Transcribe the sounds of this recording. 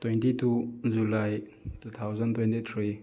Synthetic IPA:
twentitud͡ʒulajtut̪ʰawzɐntwentit̪ʰɾi

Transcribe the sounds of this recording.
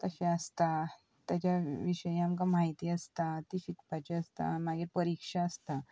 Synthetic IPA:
t̪əɕeəst̪a | t̪jat͡ɕaʋiɕəjamkamaɦit̪iːəst̪at̪ifikpat͡ɕeəst̪a̰maɡiːɾpəɾikʂaəst̪a

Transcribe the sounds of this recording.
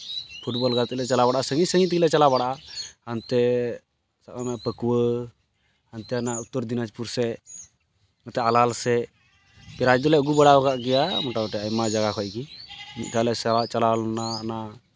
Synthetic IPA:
pʰuʈbɔlɡat̪lɛt͡ʃalabaɽʔasəŋisəŋit̪̬iklɛt͡ʃalabaɽaʔaant̪ɛ | saʔanɛʔpəkwə | ant̪ɛanaʔut̪ːɔɾd̪inat͡ʃpuɾsɛ | ŋət̪ɛalalsɛ | pɛɾad͡ʒɔlɛʔɡubɛɽabɔɡaʔɡɛjamɔʈaɔʈɛajmad͡ʒaɡakʰɔjkimḭt̪̚ʈalɛsɛat͡ʃalalnana

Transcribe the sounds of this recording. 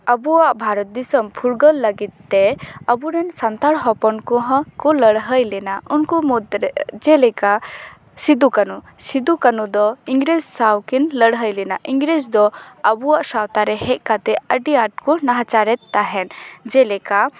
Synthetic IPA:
abuwaʔbʱaɾɔt̪̚d̪isəmpʰuɾɡəlːəɡit̪̚ːɛəbuɾɛnsant̪aɽɦɔpɔnkɔɦɔ̃kɔləɽɦəjlɛnaunkumud̪ɾd͡ʒɛlɛka | sid̪ukanu | sid̪ukanud̪ɔiŋɡɾed͡ʒsawkinləɽɦəjlɛnaʔiŋɡɾed͡ʒd̪ɔəbuaʔsawt̪aɾɛhɛc̪̚ˀkat̪ɛəɖiaʈkɔnaɦat͡ʃaɾɛt̪ːaɦɛnd͡ʒɛlɛka

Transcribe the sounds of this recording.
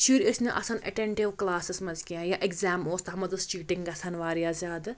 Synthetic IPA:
ʃiːɾesneʔɐ̰sɐnɐ̰ʈeɳʈiʋklaːsɐsmɐzkijãːjaʔeɡzaːmoːst̪ɦɐmɐd̪ɐst͡ʃiːʈiŋɡɐsɐnʋaːɾijaːzʲjaːd̪

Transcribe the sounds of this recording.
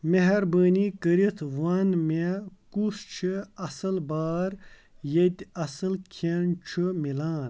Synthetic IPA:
meɦɐɾbəːnikəɾit̪ʰʋɐnmekust͡ʃʰiɐsɐlbaːɾ | jet̪ʲɐsɨlkʰent͡ʃʰɨmilaːn

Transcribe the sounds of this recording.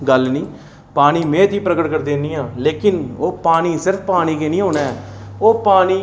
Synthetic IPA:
ɡəlnĩː | paːɽ̃iːmɛ̃ːt̪iːpɾəɡəʈɡəʈd̪eːniːãːleːkɪnoːpaːniːsɪɾəfʰpaːɽ̃iːkeːnĩːɦoːnaːɛoːpaːniː

